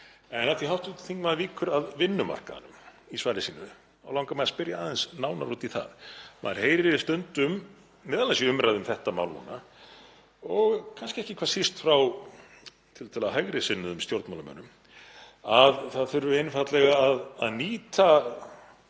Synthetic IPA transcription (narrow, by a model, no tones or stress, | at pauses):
ɛnat̪iɦawht̪t̪θiŋkmaðviːkʰʏɾaðvɪnːʏma̰r̥ka̰nʏm | isvaːɾɪsiːnʏ̰ | awlawŋkamajðaspɪɾjaaːðɛnsnaːwnaɾuːt̪iθa̰ðma̰ðɾ̥heːjɾɪɾɪst̪œnt̪ʏmː | ɛːðalasiʏmɾʔajðʏmθɛht̪ama̰ːwlhṵna | ɔɣkʰanscɪɛhcɪkʰv̥aːsist̪fɾaw | t̪ʰɪlt̪ʰalðɦajɣɾɪsɪnːʏðʏmst̪jowɾt̪mawlamœ̰ːnːʏm | aðθaðθʏɾvʏɪnfat̪lɛɣaːðaðniːt̪ʰa